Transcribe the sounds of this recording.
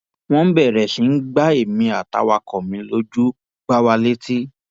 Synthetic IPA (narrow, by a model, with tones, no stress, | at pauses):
w̃ɔ̃˦bɛ˦˨ɾɛ˨ʃĩ˨˧˦n̩˦ɡ͡ba˦e˦˨mĩ˧a˨ta̰˧˦wa˧kɔ̃˨mĩ˧lo˧˦d͡ʒu˦ | ɡ͡ba˦wa˧le˦ti˦